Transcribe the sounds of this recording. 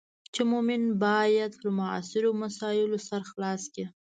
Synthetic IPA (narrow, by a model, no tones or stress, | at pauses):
t͡ʃemomɪnbɑjad̪lamʊɑ̰sɪɾomasɑɪlosaɾxlɑski